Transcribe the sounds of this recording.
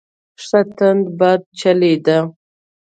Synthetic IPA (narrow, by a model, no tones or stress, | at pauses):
ʂat̪and̪bad̪̚t͡ʃaled̪a